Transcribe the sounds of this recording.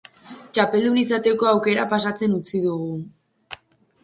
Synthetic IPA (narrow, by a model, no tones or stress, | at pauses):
t͡ʃape̞ld̪unisat̪e̞ko̞awke̞ɾapasat͡se̞nut͡siðuɣu